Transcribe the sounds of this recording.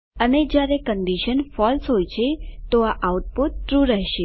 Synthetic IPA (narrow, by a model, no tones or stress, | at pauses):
əned͡ʒjaɾekəɳɖiʃənfɔlsɦojt͡ʃʰet̪oaʔauʈ̚put̪̚ːɾuɾəɦʃe